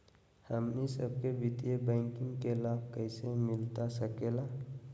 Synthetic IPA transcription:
həmnisəbkebɪt̪ijebɛ̃ːŋkɪ̃ŋɡkelaːbkəɪsemɪlt̪asəkeːla

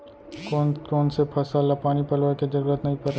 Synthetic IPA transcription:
kokɔːnsepʰɐsalapaːnipɐlʋəked͡ʒɐɾuːɾət̪nɐɦĩpɐɾe

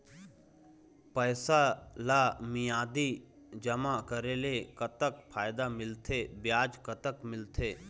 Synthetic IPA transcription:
pəːsalaːmɪjaːd̪i | d͡ʒəmakəɾelekət̪əkpʰaːɪd̪amɪlt̪ʰebjaːd͡ʒkət̪əkmɪlt̪ʰeː

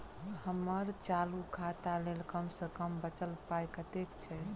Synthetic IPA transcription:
həməɾt͡ʃalukʰat̪alelkəmsəkəmbət͡ʃəlpajkət̪ekt͡ʃʰɛ

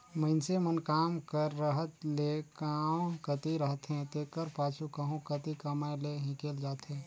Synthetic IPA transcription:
məɪnsemənkaːmkəɾːəɦət̪lekãːkət̪iɾəɦət̪ɦɛ̃t̪ekəɾpaːt͡ʃukəɦõkət̪ikəmaːleɦɪ̃keːld͡ʒaːt̪ɦɛ̃ː

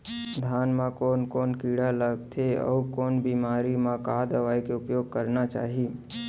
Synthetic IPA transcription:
d̪ʱanmãkoːnkoːnkiɽaləɡ̚t̪ʰeɔ̰ukoːnbimaɾimãkad̪əʋajkeʊpjoɡ̚kəɾnat͡ʃa̰ːɦi

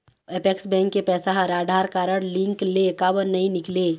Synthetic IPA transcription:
epeksbɛ̃ːŋkːepɛːsaɦəɾaːɖʱaːɾkaːɾəɽ̃lɪ̃ŋklekaːbəɾnɐɦĩnɪkleː

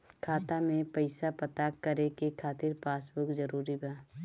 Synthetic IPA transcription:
kʰaːt̪amẽpɐɪsapɐt̪akɐɾekekʰaːt̪ɪɾpaːsbʊkzɐɾuːɾibaː

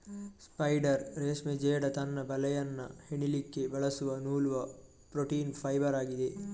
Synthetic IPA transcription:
spɐjɖɐɾɾeːsmed͡ʒeːɽɐt̪ɐnːɐbɐlɐjɐnːɐ̰heɳilikːebɐɭɐsuʋɐnuːluʋɐ | pɾoʈiːnpʰɐjbɐɾaːɡid̪e

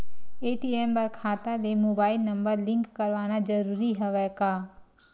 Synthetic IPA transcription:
eːʈiːeːmpɐɾkʰaːt̪alemoːbaːɪlnɐ̃mbəɾlɪ̃ŋkkːɐɾʋaːñad͡ʒəɾuːɾiɦɐʋɛkaː

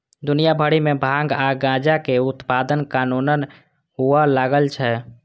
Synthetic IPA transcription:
d̪unijabʱəɽimebʱãŋɡaɡãd͡ʒakeut̪pad̪ənkanunən | ɦuəlaɡəlt͡ʃʰɛ

